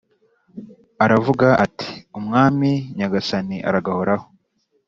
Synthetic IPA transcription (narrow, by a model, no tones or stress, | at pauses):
aɾavuɡaʔatʰi̥umŋaːmiɲaɡasaniʔa̰ɾaɡahoɾaho